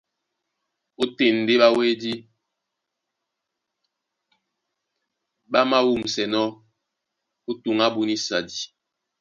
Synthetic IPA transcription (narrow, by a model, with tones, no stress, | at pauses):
u˦te˨n˨de˦ɓa˦we˦di˦ | ɓa˦ma˦wu˦˨msɛ˨nɔ˦ | u˦tu˨ŋa˦bu˦ni˦sa˨di˨